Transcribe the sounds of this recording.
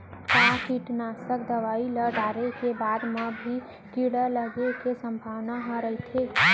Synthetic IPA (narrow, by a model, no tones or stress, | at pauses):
kakiʈnaːsək̚d̪ɐʋaːiləɖaːɾekebaːd̪məbʱi | kiɽələɡekesə̃mbʱaːʋnaɦə̃ɾəɦet̪ʰe